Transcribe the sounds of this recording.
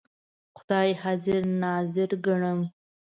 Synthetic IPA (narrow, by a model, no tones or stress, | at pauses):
xʊd̪ɑjhɑzɪɾnɑzɪɾɡəɳəm